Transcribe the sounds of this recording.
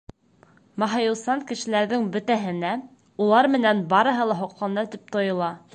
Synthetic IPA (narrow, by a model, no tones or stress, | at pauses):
mɑɦɑ̆jɤ̆lˠsɑŋkɘ̆ʃɘ̆læɾðɘŋbɵ̆t̪æɦɘ̆næ | ulˠɑɾmɘ̆nænbɑɾɤ̆ɦɤlˠɑɦŏqlɑnɑt̪ip̚t̪ŏjɤ̆lˠɑ